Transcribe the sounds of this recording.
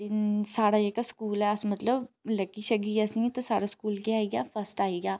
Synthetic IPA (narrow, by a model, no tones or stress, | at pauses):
ɪnsaːɽaːeːkskuːlɛːsmət̪ləbləkːiʃəɡiəsĩŋit̪asaːɽaːskuːlkeaːiɡaːpʰəsʈaːiɡaː